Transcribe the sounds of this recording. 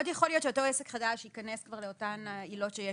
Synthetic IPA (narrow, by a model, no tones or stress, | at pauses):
djaχo̞lijott͡ʃeto̞esekχadaʃikaneskvaʁleo̞tanilo̞tʃeje